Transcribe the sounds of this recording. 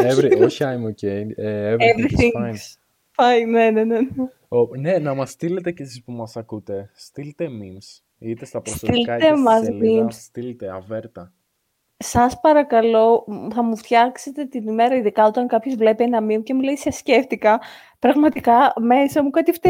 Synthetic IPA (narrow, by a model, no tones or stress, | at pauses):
evɾoçiɐjmoceneevevɾiθiŋn | fɐnne̞nenene | one̞nɐmɐst̪ile̞t̪e̞cesispumɐsɐkut̪e̞st̪ilt̪emims | it̪est̪ɐpɾost̪ilɐt̪emɐzimsst̪ilet̪eɐveɾt̪ɐ | sɐspɐɾɐkɐlo̞θɐmuft̪çɐkse̞t̪e̞t̪inime̞ɾɐiðikɐo̞t̪ɐŋkɐpçozvle̞pienɐmimce̞mule̞isɐsce̞ft̪ikɐ | pɾɐɣmɐt̪ikɐme̞sɐmukɐt̪ift̪